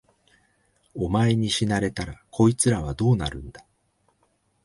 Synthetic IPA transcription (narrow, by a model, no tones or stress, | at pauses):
o̞mae̞ɲ̟iɕinaɾe̞t̪aɾakʰo̞it͡sɨɾaβ̞ad̪o̞ːnaɾɯ̟̃nd̪a